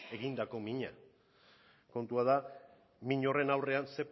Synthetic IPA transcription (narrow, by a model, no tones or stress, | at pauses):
e̞ɣind̪ako̞miɲa | ko̞nt̪uað̞a | miɲo̞re̞nawre̞anse̞p